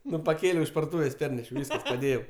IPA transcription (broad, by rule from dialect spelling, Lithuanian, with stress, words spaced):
ˈnʊ pɐˈkʲeːlʲɛʊ ɪʃ pɐrdʊˈtuːʋʲeːsʲ ˈpʲɛrʲnʲɛʃʲɛʊ ˈʋʲiːskɐs pɐˈdʲeːjɛʊ